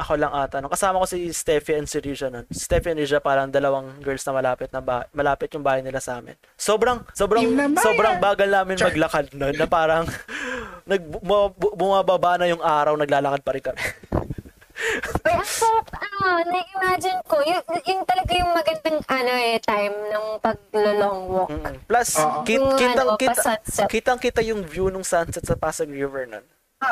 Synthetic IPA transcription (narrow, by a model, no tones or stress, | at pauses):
ʔɐko̞lɐŋʔaːt̪ɐnokɐsaːmɐko̞sist̪ɛːfiʔɛnsɪɾid͡ʒɐnonsst̪ɛfiɛnɹid͡ʒɐpaːɾɐŋd̪ɐlɐwɐŋɡɛɹlsnɐmɐlaːpɪt̪̚nɐbamɐlaːpɪt̪jʊŋbaːhɐjnɪlasɐʔaːmɪ̰n | soːbɾɐŋso̞ːbɾɐsoːbɾɐŋbaːɡɐlnaːmɪnmɐɡlɐkad̪̚nonːɐpaːɾɐŋ | nɐɡ̚mɐbbʊmaːbɐbanɐjʊŋʔaːɾɐwnɐɡ̚laːlɐkɐd̪̚pɐɾɪnkɐmɛ | ɐjɐŋsɐɾɐp̚ɐnonɐʔɪmad͡ʒɪnkojʊjʊŋt̪ɐlɐɡajʊŋmɐɡɐnd̪ɐŋʔɐnoʔɛt̪ajmnɐŋpɐɡ̚loloŋwom̩ːkːʔplɐskikiɐŋkɪsnskiːt̪ɐŋkɪt̪ajʊŋvjunʊŋsansɛt̪sɐpaːsɐɡɹivɛɹno̰n